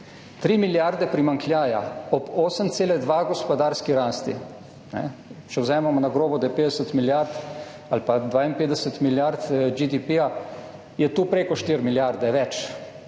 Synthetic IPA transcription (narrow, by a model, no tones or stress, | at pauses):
t̪ɾiːmiljaɾd̪ɛpɾimaŋklʲjaːja̰ɔboːsəmt̪seːlɛd̪ʋaɡɔspɔd̪aːɾskiɾaːst̪ḭ | nɛ̰t͡ʃɛwzɛːmamɔnaɡɾoːbɔd̪ajɛpeːd̪ɛsət̪miljaɾt̪ | alpad̪ʋaːimpeːd̪ɛsət̪miljaɾt̪d͡ʒid̪ipia | jɛt̪uːpɾeːkɔʃt̪iɾmiljaɾd̪ɛʋɛt͡ʃ